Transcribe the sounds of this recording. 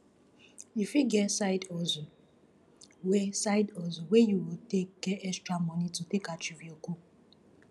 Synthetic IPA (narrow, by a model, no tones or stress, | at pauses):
ifjiɡɛsaɪdɔzo | wesaɪdɔzowejuwitek̚ɡ̥ɛɛstɹamɔnitutekat͡ʃivioku